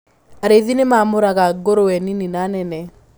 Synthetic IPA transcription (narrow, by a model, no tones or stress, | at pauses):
aɾeðinemamoɾakaɡoɾowɛnininanɛnɛ